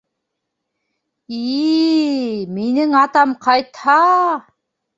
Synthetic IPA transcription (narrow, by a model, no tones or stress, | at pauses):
i | menɪŋɑt̪ɑmqʰɑjt̪hɑ